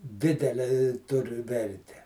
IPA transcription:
ˈdʲɪdʲɛlʲɛ ɪ ˈtʊr ˈʋʲɛrʲtʲɛ

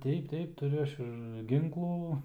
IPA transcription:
ˈtʲɛɪp ˈtʲɛɪp tʊˈrʲʊ ˈɐʃ ɪr ˈɡʲɪŋklˠuː

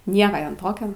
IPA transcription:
ˈnʲiɛkɐ ˈjɛm ˈtoːkʲoː

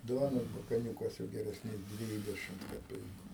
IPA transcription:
ˈduɔnoːs bɐkɐˈnʲuːkɐs jɛʊ ɡʲɛrʲɛsʲˈnʲeːs ˈdʲʋʲiːdʲɛʃʲɪmt kɐˈpʲɛɪkʊ

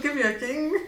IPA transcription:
ˈkɐɪp juɔˈkʲiːŋk

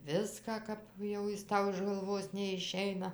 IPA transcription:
ˈʋʲɪskɑː ˈkɐp jɛʊ ˈjɪs ˈtɐʊ ɪʃ ɡɐlˠˈʋoːs nʲɛɪˈʃʲɛɪnɐ

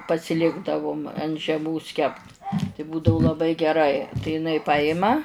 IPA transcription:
pɐsʲɪˈlʲɪɡdɐʋʊm ɐnt ʒʲɛˈmoːs kʲɛpt tɐɪ ˈbuːdɐʊ lˠɐˈbɐɪ ɡʲɛˈrɐɪ tɐɪ ɪˈnɐɪ ˈpɑːjɪmɐ

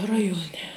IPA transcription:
ˈrɑːjuɔˌnʲɛ

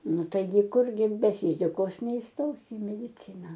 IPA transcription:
ˈnʊ ˈtɐɪɡʲɪ ˈkʊrʲɡʲɪ bʲɛ ˈfʲiːzʲɪkoːs nʲɛiːˈstoːsʲɪ ɪ mʲɛdʲɪˈt͡sʲɪnɐ

